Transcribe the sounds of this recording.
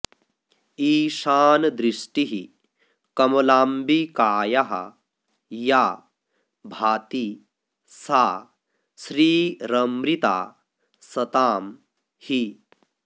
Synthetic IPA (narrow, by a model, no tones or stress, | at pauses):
iːʃaːnd̪ɾiʂʈiɦi | kɐmɐlaːmbikaːjɐɦɐ̰ | jaː | bʱaːt̪i | saː | sɾiːɾɐmɾit̪a̰ː | sɐt̪aːm | hi